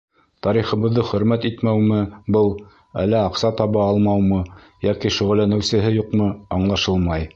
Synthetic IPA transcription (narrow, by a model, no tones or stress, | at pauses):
t̪ɑɾiχɤ̆βɤ̆ðːɤχɵ̆ɾmæt̪it̪mæwmɘbɤlˠ | æ̰lːæɑqsɑt̪ɑβɑɑlˠmɑwmɤ | jækiʃɵ̆ʁɘ̆lːænɘ̆wsɘ̆ɦɘjuqmɤɑɴlˠɑʃɤlˠmɑj